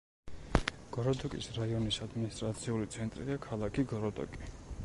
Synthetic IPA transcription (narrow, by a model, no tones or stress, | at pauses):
ɡ̥ɔɾɔd̪ɔkʼḭsɾaiɔnisad̪minist̪ʼɾat̪sʰiulit̪sʰɛnt̪ʼɾiakʰalˠakʰiɡɔɾɔd̪ʼɔ̰kʼi